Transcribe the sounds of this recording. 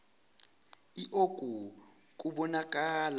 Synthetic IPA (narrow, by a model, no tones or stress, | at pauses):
iʔokʼu | k̬ʼuɓɔnakʼaːla